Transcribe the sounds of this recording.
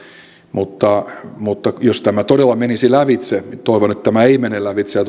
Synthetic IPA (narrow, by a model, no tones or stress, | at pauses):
mut̪ːɑmut̪ːɑjost̪æmæt̪odelːɑmenisilæʋit̪set̪oiʋonet̪t̪æmæeimenelæʋit̪seɑt̪